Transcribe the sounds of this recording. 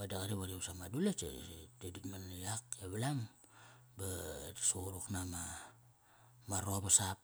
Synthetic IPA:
badaɣaɾiβaɾisamadulat͡ʃḛteditmanjakjaβalam | basoɾuknama | maɾoβasap̚

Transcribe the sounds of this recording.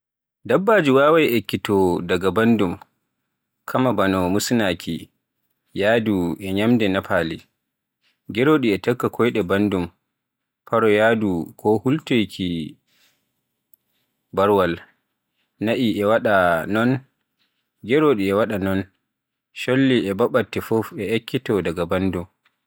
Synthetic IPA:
dabːaːd͡ʒiwaːwajʔɛkːitɔdaɡabandum | kʰamabanɔmusnaːkʰi | jaːduʔɛɲamdɛnapaːli | ɡɛɾoːɗiɛtɔkːakʰɔjɗɛbandum | paɾɔjaːdukʰɔhultejkʰi | baɾwal | naʔiʔɛwaɗanɔn | ɡɛɾoɗiɛwaɗanɔn | ʃolːiʔɛbaɓatːɛfofɛɛkːitɔdaɡabandum

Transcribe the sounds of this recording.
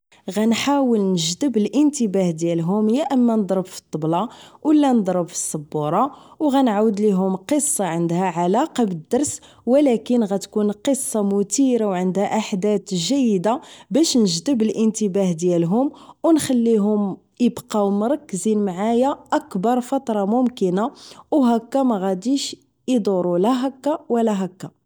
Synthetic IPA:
ɣænħawəlnəʒd̪əbəlʔənt̪əbæhd̪jælɦʊmjaʔəmːænəd̪ˤɾˤəbfi̥t̪ˤːɑblɑwəlːænəd̪ˤɾˤəbfi̥sˤːɑbːuɾˤɑwɣænʕawəd̪liɦʊmqəsˤːɑʕənd̪hæʕalɑqɑbəd̪ːɑɾˤs | wəlækənɣæt̪kunqəsˤːɑmʊt̪iɾawʕənd̪hæʔaħd̪æt̪ʒæjːəd̪abæʃnəʒd̪əbəlʔənt̪əbæhd̪jælɦʊmwnxælːiɦʊm | əbqɑwmɾˤɑkːzinmʕajaʔækbɑɾˤfɑt̪ˤɾˤɑmʊmkənawɦækːæmæɣæd̪iʃ | id̪uɾˤulæɦækːawəlæɦækːa

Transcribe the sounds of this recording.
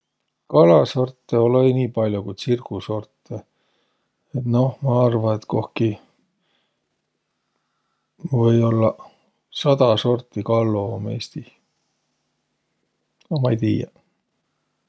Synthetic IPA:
kɑlɑso̞rt̪ːeolejniːpɑlʲjukujd̪sirkuso̞rt̪ːˑe | et̪no̞hmɑɑrvɑet̪ko̞hki | vɤjo̞lːɑ | sɑd̪̥ɑso̞rt̪ːˑikɑlːoome̞̰ːst̪i | ɑmɑjt̪iːjɑ̰

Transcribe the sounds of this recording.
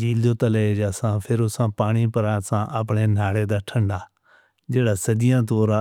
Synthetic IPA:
d͡ʒiːld̪oːt̪əled͡ʒaːsãːpʰɪɾʊsãːpaːɽ̃iːpəɾaːsãːʔəpɳeːnaːɽeːd̪aːʈʰə̃ɳɖaː | d͡ʒeːɽaːsəd̪ɪjãːt̪oːɾãː

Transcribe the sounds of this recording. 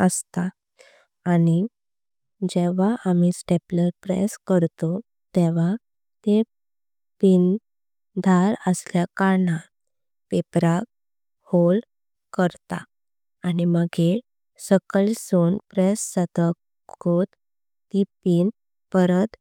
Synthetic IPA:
əst̪a | ani | d͡ʑɛʋ̤aʔamisʈepləɾpɾɛ̰skəɾt̪o | t̪eʋ̤a | t̪e | pin | d̪ʱaɾəsljakaɾɳa | pepɾak | hol | kəɾt̪a̰ː | niməɡʱe | səkəlsoːnpɾesːəd̪ək | ɡot̪ː | ipiːn | pəɾət̪

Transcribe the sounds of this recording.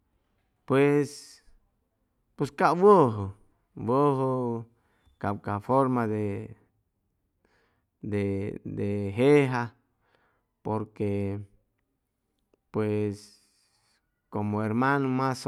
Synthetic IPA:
pwes | peskawoɦo | woɦo | kawkafoɾmad̪e | d̪ed̪eɦeɦa | poɾke | pwes | komoeɾmanomas

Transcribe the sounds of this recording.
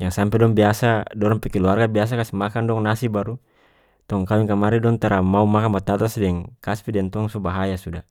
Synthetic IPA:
jaŋsampɛdɔŋbiasadɔɾaŋpɛkɛluarɡabias̬akasimakandɔŋnasibaɾu | t̪ɔŋkawiŋkamaɾidɔŋt̪aɾamaumakanmat̪at̪asdɛŋkaspidɛnt̪ɔaŋsɔbaɦajasuda

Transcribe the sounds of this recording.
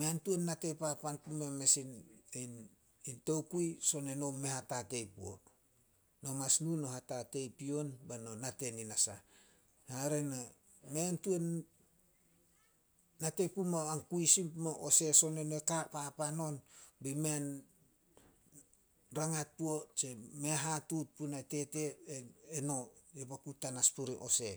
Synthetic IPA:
meantuenːate̞papanpumemesinin | intowkuiso̞ne̞no̞me̞hatate̞jpuo̰t | nomasnuno̞ɦatate̞jpio̞nbanonate̞ninasa̰ | haɾena | mentuen | atepumaaŋkuisimpmoʔose̞so̞nenekapapano̞nbimen | ɾaŋat̚puot͡ʃeme̞ɦatut̚punate̞te̞eeno̞epakutanaspuɾiʔo̞se̞

